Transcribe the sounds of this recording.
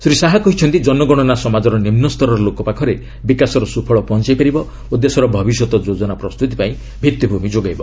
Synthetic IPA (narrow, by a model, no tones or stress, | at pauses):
sɾisaɦakɔɦit͡ʃʰɔnt̪id͡ʒɔnɔɡɔɽ̃ɔnasɔmad͡ʒɔɾɔnimnɔst̪ʰɔɾɔɾɔlokɔpakʰɔɾe | bikasɔɾɔsupʰɔɭɔpɔnt͡ʃajpaɾibɔ | ud̪ːesɔɾɔbʱɔbisɔt̪ɔd͡ʒod͡ʒɔnapɾɔst̪ut̪ipaĩ | bʱit̪ːibʱumid͡ʒoɡajbɔ